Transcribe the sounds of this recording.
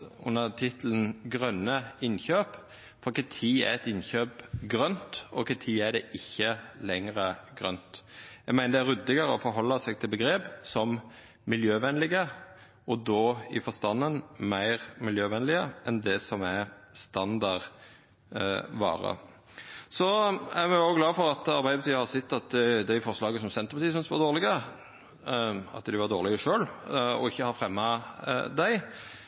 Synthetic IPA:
ʉ̰nːəʁt̪ʰɪt̪ʰlən̩ɡɾœnːəɪnçøːp | fɔɾkɛt̪ʰiːæ̰ɾɛt̪ɪnçøːpɡɾœnt̪ɔkʰət̪ʰiːæd̪ɛʔɪçːəlɛŋʁəɡʁœ̰nt̪jæɡmæɪnəd̪ɛæɾʉd̪ɪɡəɾəɔfɔɾɦɔlːɑsɛɡ̚t̪ʰɪlbəɡɾeːpsɔm | mɪljøːʋɛnlɪɡə | ɔd̪oːɪfɔst̪ɑnənmæɪʁmɪljøːʋɛnlɪəʔɛnd̪ɛsɔmæst̪ɑnd̪ɑʁ | ʋɑ̰ːɾə̰ | sɔæmɛoɡlɑːfɔɾɑt̪ɑɾbæɪd̪əbɑt̪iːhɑɾsɪt̪ːɑt̪̚d̪æɪfɔʁslɑːɡəsɔmsɛnt̪ə̥ʁpɑt̪ʰiːəsʏnsʋɑʁd̪oːʁlɪɡə | ɑ̰t̪d̪ɪʋɑɾd̪oːʁlɪɡəʂøːlɔ̰ɪçːəhɑɾfɾɛmːɑd̪æɪ

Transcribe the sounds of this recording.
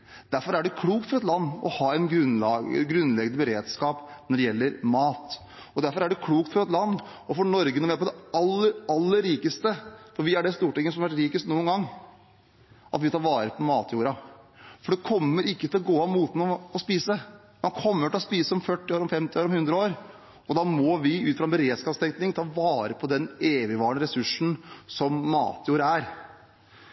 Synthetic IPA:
d̪̥æɾfɔɾæɖɛkʰluːkt̪fɔɾɛt̪lɑnːɔ̰hɑːɛɪnɡɾʉnɑɡɾʉnːlɛɡnəbəɾeːd̪skɑːpnɔɖɛjɛlːəɾmɑːt̪ | ɔd̪æɾfɔɾæɖɛkʰluːkt̪fɔɾɛt̪lɑnd̪ɔfɔɳɔɾɡənɔʋɪæp̬ɔd̪ɛɑlːəɾɑlːəɾːiːkəst̪əfɔɾʋɪæɖɛst̪uːʈɪŋːəsɔmɑʋæʈɾiːkəst̪nuːənɡɑŋː | ʔɑt̪ʋɪt̪ʰɑːɾʋɑːɾəpʰɔmɑːt̪ʰjuːɾɑfɔɖɛkʰɔmːəɾɪkːət̪ʰɪlɔɡoːɑmuːt̪nɔɔspiːsə | mɑnkʰɔmːəʈɪlɔspiːsəɔmfœʈːɪoːɾɔmfɛmt̪ɪoːɾɔmhʉnd̪ɾəoːɾ | ɔd̪ɑːmɔʋɪʉːt̪fɾɑɛnbəɾeːd̪skɑst̪ɛŋk̪nɪŋt̪ʰɑːʋɑːɾəpʰɔd̪ɛneːʋɪʋɑːɳəɾɛsʉʂn̩sɔmːɑ̰ːt̪ʰjuːɾəæɾ

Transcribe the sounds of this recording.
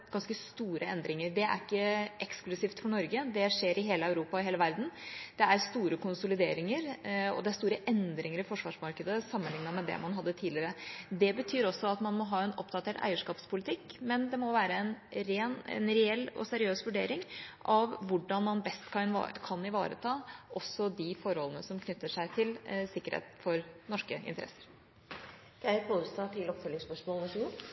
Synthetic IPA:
ɡɑnskəst̪uːɾəɛnd̪ɾɪŋəɾɖɛæ̰ɾɪkːəʔɛksklʉsiːft̪fɔɳɔɾɡəd̪ɛʂeːɾɪɦeːləɑʉɾuːpɑɔɦeːləʋæɾd̪n̩d̪̥ɛæɾst̪uːɾəkʊnsʊlɪd̪eːɾɪŋəɾɔ̰d̪ɛæɾst̪uːɾəʔɛnd̪ɾɪŋəɾɪfɔʂʋɑ̰ːʂmɑɾkəd̪əsɑmːənlɪŋːnɑmɛd̪ɛ̰mɑnɦɑd̪ːət̪ʰiːd̪lɪɾəd̪ɛbət̪ʰyːɾɔsːɔɑt̪mɑnmɔɦɑːɛnɔpd̪ɑt̪ʰeːʈæ̰ɪəʂkɑːpspʰʊlɪt̪ʰɪkːmɛnd̪ɛmɔʋæːɾəɛnɾeːnɛ̰nɾɛɛlːɔ̰sɛɾɪøːsʋʉɖeːɾɪŋʔɑʋʋʊɖɑnmɑnbɛst̪kʰɑ̰kʰɑnɪʋɑ̰ːɾə̰t̪ʰɑːʔɔsːɔd̪ɪfɔɾhɔlənəsɔmkʰnʏt̪ːəʂæɪt̪ʰɪlsɪkːəɾhḛːt̪fɔɾnɔʂkəɪ̰nt̪əɾɛ̰sə̥ɾ | kʰæɪɾpʰost̪ɑt̪ʰɪlɔpfœlɪŋspœʂmɔːlnɔʂɡu

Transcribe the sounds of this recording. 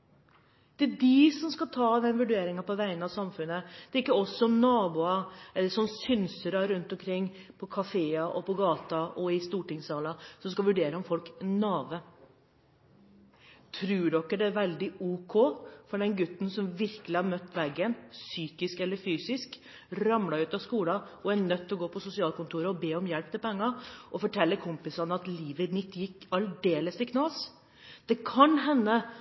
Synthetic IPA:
d̪̥ædɪsɔmskɑt̪ʰɑːd̪ɛnʋʉɖeːɾɪŋɑpɔʋæɪənɑʋsɑmfʉnːəd̪ɛɾɪkːəɔsːɔɔmnɑːbuːɑɛlːəʂɔnsʏnsəɾɑɾʉnt̪ɔmkʰɾɪŋːpʰɔkʰɑfeːɑʔɔpɔɡɑːt̪ɑʔɔɪst̪uːʈɪŋsɑːlɑsɔmskɑlʋʉɖeːɾəɔmfɔlknɑːʋə | t̪ʰɾʉːɖɔkːəd̪ɛæɾʋɛld̪ɪuːkʰoːfɔɖɛnɡʉt̪ːn̩sɔmʋɪɾkəlɪhɑɾmœt̪ːʋɛɡːənsyːkɪskɛlːəɾfyːsɪsk | ɾɑmlɑʉːt̪ɑskuːlɑɔænœt̪ːlɔɡoːpʰɔsʊsɪɑːlkʰʊnt̪ʰuːɾəɔbeːɔmjɛlp̚t̪ʰɪlpʰɛŋːɑʔɔfɔʈʰɛlːəkʰʊmpɪsɑnəɑt̪liːʋəɪnɪt̪ːjɪkːɑld̪eːləst̪ɪkʰnɑːs | d̪̥ɛkʰɑnɦɛnːə

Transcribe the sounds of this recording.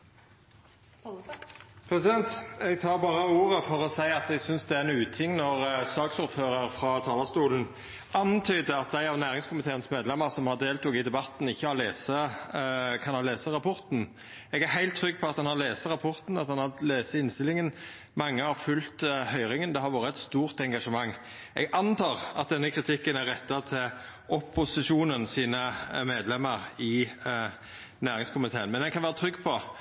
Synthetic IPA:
pʰɾɛsɪd̪ɛnt̪ɛɡ̚t̪ʰɑːɾbɑːɾəuːɾəfɔɾɔsæɪɑt̪ɛɡsʏnsd̪ɛænʉːt̪ʰɪŋːnɔʁsɑːksʊɾføːɾəɾfɾɑt̪ʰɑːlɑst̪uːln̩ | ɑnt̪ʰyːd̪əɑt̪̚d̪æɪɑʋnæːʁɪŋskʊmɪt̪ʰeːənsmeːd̪lɛmːəʁsɔmhɑʁd̪eːlt̪ʊɡɪd̪ɛbɑt̪n̩ɪçːəɑleːsə | kʰɑnhɑleːsəʁɑpʰɔɾt̪n̩ | ɛɡæɾɦæɪlt̪ʰːɾʏɡːpʰɔɑt̪d̪ɑnhɑʁleːsəʁɑpʰɔɾt̪n̩ɑt̪̚d̪ɑnhɑleːsəɪnst̪ɪlɪŋən | mɑŋːəhɑɾfʉlt̪hœʏɾɪŋənd̪ɛhɑɾʋoːɾəɛt̪st̪uːɾt̪ɛŋɡɑʂəmɑŋː | ʔɛ̰ɡɑnt̪ʰɑːʁɑ̰t̪̚d̪ɛnːəkʰɾɪt̪ʰɪkːənæɾɛt̪ːɑt̪ʰɪl | ʔɔpʊsɪʂuːnənsiːnəmeːd̪lɛmːəɾɪ | næːɾɪŋskʰʊmɪt̪ʰeːənmɛnɛkʰɑnʋæːʁət̪ʰɾʏɡːpʰɔ

